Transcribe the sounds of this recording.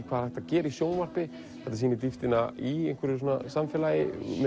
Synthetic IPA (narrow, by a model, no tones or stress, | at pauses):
kʰvaːðɛht̪acɛːɾisjoːwnvar̥pɪ | θɛht̪asiːnɪt̪̬ift̪ɪnaiejŋkʏɾɪs̬oːnːa̰samfɛːlajɪmɛ